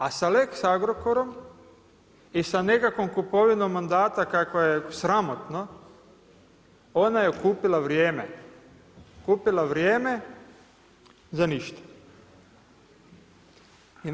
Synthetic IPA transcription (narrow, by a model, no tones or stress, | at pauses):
asaleksaaɡɾokoɾo̞m | isane̞kakʋomkupo̞ʋinomːand̪aːt̪akakʋojesɾamo̞t̪no | o̞najekuːpilˠaʋɾjeːme | kuːpilˠaʋɾjeːme | zaniʃt̪ḁ